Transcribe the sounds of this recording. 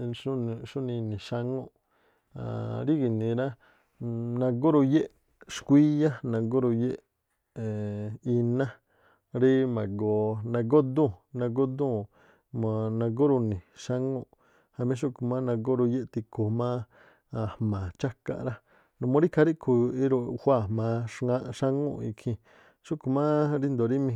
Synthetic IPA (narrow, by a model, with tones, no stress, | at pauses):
u˦˧ʃu˦nĩ˧nĩ˨ʃa˧ŋõ˦ʔ | a̰˨ɾi˦ɡi˨nĩ˧ɾa˦ | nã˧ɡo˦ɾo˧je˦ʔ | ʃkʷi˦ja˦nã˧ɡo˦ɾo˧je˦ʔ | i˧nã˦ | ɾi˦mã˨ɡo˧nã˧ɡo˦d̪ũ˦˨nã˧ɡo˦d̪ũ˦˨ | mã˨nã˧ɡo˦ɾu˧nĩ˨ʃa˦ŋũ˦˧ʔ | ha˧mĩ˧˦ʃ̬u˦ʔku˧mã˦nã˧ɡo˦ɾo˧je˦ʔt̪i˧kʰo˨mã˦˧ | hmã˨t͡ʃa˦ka̰˧ʔɾa˦ | nũ˨mõ˧˦ɾi˦kʰa˧ɾi˦ʔkʰu˧i˦ɾo˧hʷa˦˧˨mã˧ʂŋã˦ʔʃa˦ŋṵ̃˦˧ḭ˧kʰĩ˧ | ʃu˦ku˧mã˦ɾi˦nd̪o˨ɾi˦mĩ˧